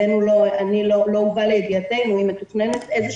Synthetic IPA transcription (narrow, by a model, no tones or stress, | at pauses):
enuloanilolo̞uvalejɡijate̞jnuimet̪uχnenet̪ʔezeʃ